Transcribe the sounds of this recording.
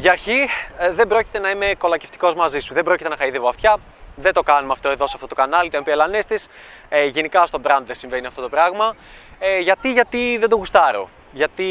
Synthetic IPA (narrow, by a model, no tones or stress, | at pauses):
ʝɐɾçiðe̞bɾo̞ci̥t̪e̞nɐime̞ko̞lɐce̞ft̪i̥ko̞zmɐzisuðe̞bɾo̞cit̪e̞nɐxɐiðevoɐft̪çɐ | ðe̞d̪o̞kɐnumɐft̪o̞e̞ðo̞sɐft̪ot̪kɐnɐlit̪oempielɐnest̪is | eʝe̞nikɐst̪o̞bɾɐnd̪ðesiɱveniɐft̪o̞t̪o̞pɾɐɣmɐeʝɐt̪iʝɐt̪iðe̞nd̪o̞ɣust̪ɐɾo̞̰ | ʝɐt̪i